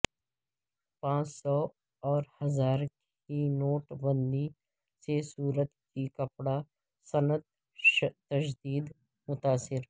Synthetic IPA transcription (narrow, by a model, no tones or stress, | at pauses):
pãːt͡ʃsɔː | ɔːɾhɐzaːɾ | inoːʈbə̃nd̪i | sesuːɾət̪kikəpɽa | sənət̪ | ʃt̪əʃd̪iːd̪ | mʊt̪aːsɪɾ